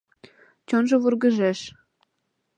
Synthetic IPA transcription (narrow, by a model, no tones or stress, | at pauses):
t͡ɕonʒɤ̆βurɣə̆ʒeʃ